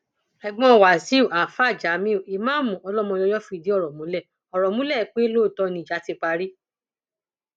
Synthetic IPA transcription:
ɛ˨ɡ͡bɔ̃˦˨wa˨si˨˦˨a˨fa˦˨d͡ʒa˨˦mĩ˦o˨i˨mãː˦mũ˨ɔ˧lɔ˦mɔ̃˧ɔ˧˦jɔ˦fĩ˧˦˨di˨˦ɔ˦˨ɾɔ˨mũ˨˦lɛ˦˨ | ɔ˨ɾɔ˨mũ˦lɛ˦˨k͡pe˦lo˦˨tɔ˧nĩ˧˨d͡ʒa˨˦ti˦˧k͡pa˧ɾi˦

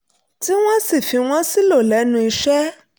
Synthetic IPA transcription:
ti˦wã˦si˨fi˨w̃ɔ̃˦si˦lo˨lɛ˨˦nũ˨i˨ʃɛ˦

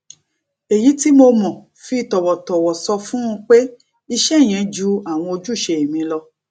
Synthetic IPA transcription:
e˨ji˨˦ti˦mo˧mɔ̃˨ | fi˧˨tɔ˨wɔ˨tɔ˨wɔ˨sɔ˧fũ˦ũ˧k͡pe˦ | i˧ʃɛ˦˨j̃ɛ̃˨˦d͡ʒu˦a˦˨w̃ɔ̃˧o˧d͡ʒu˦˨ʃe˧i˨mĩ˧lɔ˧

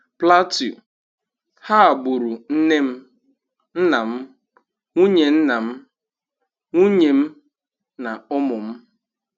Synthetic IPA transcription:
pla˦tju˨ | ha˦a˨bʊ˨ɾu˨n̩˦ne˦m̩˦ | n̩˦na˨m̩˦ | ŋʷu˦ɲe˨n̩˦na˨m̩˦ | ŋu˦ɲe˨m̩˦ | na˨ʊ˦mʊ˨m̩˦

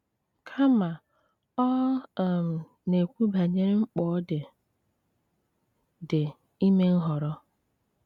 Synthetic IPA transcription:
kʰa˦ma˨ | ɔ˦˨m̩˨ | ne˨kʷu˦ba˨ɲe˦ɾe˦ŋ͡m̩˦k͡pɔː˦dɪ˨ | dɪ˨ | i˦me˦ŋ̩˦ɦɔ˨ɾɔ˦

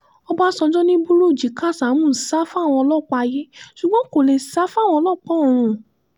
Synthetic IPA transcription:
ɔ˦ba˦sɔ̃˧d͡ʒɔ˦nĩ˦bu˦ɾo˦˨d͡ʒi˨˦ka˦˨sa˨˦mũ˦˨sa˦fa˦˨w̃ɔ̃˧lɔ˦˨k͡pa˧je˦ʃu˨ɡ͡bɔ̃˦ko˨le˨sa˦fa˦˨w̃ɔ̃˧lɔ˦˨k͡pɔ̃˨˦˨ɾ̃ũ˨˧˨

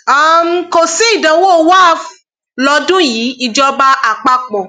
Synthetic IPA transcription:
a˨m̩˧ko˨si˦i˦˨dã˨˦wo˦˨˦wa˦˨ | lɔ˧˦dũ˦ji˨˦i˨d͡ʒɔ˧ba˦ʔa˨k͡pa˦k͡pɔ˨

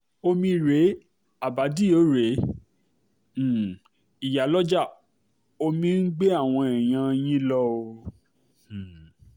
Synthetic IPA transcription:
o˧mĩ˧ɾe˨˦ | a˨ba˨˦di˦o˨˦ɾe˨˦˨ | i˨ja˨lɔ˦d͡ʒa˦˨ | o˧mĩ˧n̩˦ɡ͡be˦a˦˨w̃ɔ̃˧ɛ˨j̃ã˧j̃ĩ˦lɔ˦o˧˨

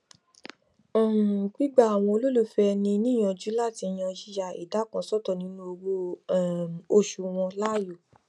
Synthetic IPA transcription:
ɔ̃˨k͡pi˦ɡ͡ba˦˨a˨w̃ɔ̃˧o˧lo˦lu˦˨fɛ˧nĩ˧nĩ˦˨j̃ɔ̃˧d͡ʒu˦la˦˨ti˧j̃ɔ̃˧d͡ʒi˦ja˨ḭ˨da˨˦kã˨˧˦sɔ˦tɔ˦˨nĩ˨˦nũ˦o˧wo˦˨ | o˦˨ʃu˨w̃ɔ̃˧la˦˨jo˨

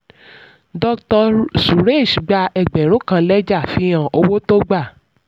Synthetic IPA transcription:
dɔ˧ktɔ˧su˨ɾe˦˨ʃɡ͡ba˧ɛ˨ɡ͡bɛ˨ɾo˨˦kã˧˦lɛ˦d͡ʒa˦˨fĩ˧˦j̃ã˨ʔo˧wo˦to˦ɡ͡ba˦˨

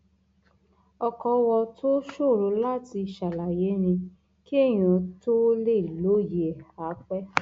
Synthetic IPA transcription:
ɔ˧kɔ˧wɔ˧tʰo˦ʃo˦˨ɾo˨˦la˦ti˧˨ʃa˨la˨je˨˦nĩ˧ | ki˦e˦˨j̃ã˨to˦le˦˨i˨lo˨˦je˨a˨˦k͡pɛ˦

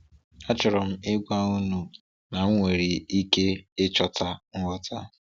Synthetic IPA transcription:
a˦t͡ʃɔ˨ɾɔ˨m̩˦ɪ˦ɡʷa˦u˦nu˨ | na˨ŋ̩˦ŋʷe˨ɾi˨i˦ke˦ɪ˦t͡ʃɔ˦ta˦ŋ̩˦ɔ˦tʰa˦

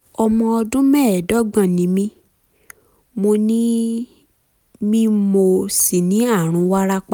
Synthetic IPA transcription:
ɔ˧mɔ̃˧ɔ˧dũ˦mɛ̃˦˨dɔ˦ɡ͡bã˦˨nĩ˨˦mĩ˧˦ | mo˧nĩ˦ | mĩ˦mo˧si˨nĩ˨˦a˦˨ɾ̃ũ˨˧˦wa˦ɾa˦k͡pa˦

